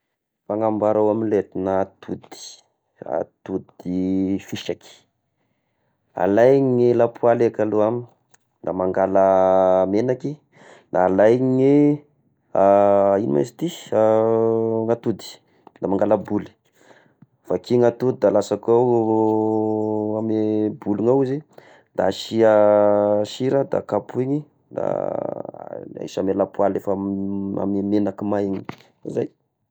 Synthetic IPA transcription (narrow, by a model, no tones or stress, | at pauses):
faŋambaɾawaminlet̪inat̪ʰud̪i̥ | a̰t̪ud̪ifiʃaki̥ | a̰lajŋilapʰualekaluami | d̪amaŋɡalamenaki | nalajŋi | ainḭma̰si̥t̪i | ŋat̪ud̪i̥ | d̪amaŋɡalabuli̥ | fakiŋat̪ud̪id̪alasakaw | amebuliŋawizi | d̪a̰ʃia | ʃiɾad̪a̰kapuiɲi | d̪a̰ | ḭʃamelapualefaa̰memenakimajiɲi̥ | izaj